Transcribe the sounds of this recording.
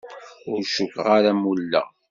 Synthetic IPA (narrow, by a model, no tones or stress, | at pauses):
ʊɾʃʊkʁaɾamulːə̰ʁ